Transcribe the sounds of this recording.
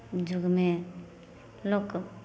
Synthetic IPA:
d͡ʒuɡme | lok

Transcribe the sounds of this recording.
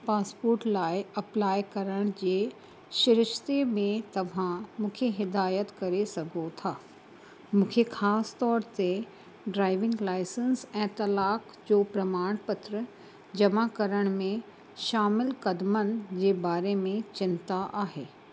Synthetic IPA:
paːspoːɾʈlaːɪɐplaːɪkɐɾəɽ̃d͡ʑeː | ʃɪɾɪʃt̪emẽt̪ɐʋ̤ʱãmũːkʰeɦɪd̪aːjət̪kɐɾesɐɡʱot̪ʰaː | mũːkʰexʰaːst̪ɔːɾt̪e | ɖɾaːɪʋɪ̃ŋɡlaːɪsənsɛ̃ːt̪ɐlaːk | d͡ʑoːpɾɐmaːɽ̃pɐt̪ɾə | d͡ʑɐmakɐɾəɽ̃mẽ | ʃaːmɪlkɐd̪mənɪ̆d͡ʑeːbaːɾemẽt͡ɕɪnt̪aʔaːɦeː

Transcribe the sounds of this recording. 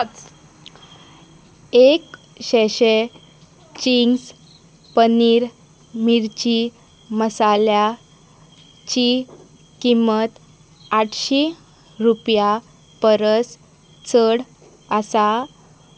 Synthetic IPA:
ek | ɕeɕe | t͡ɕiŋɡs | pəniːɾ | miɾt͡ɕi | məsalja | t͡ɕi | kimət̪ | aʈʰɕi | ɾupja | pəɾəs | t͡sʰəɽ | asa

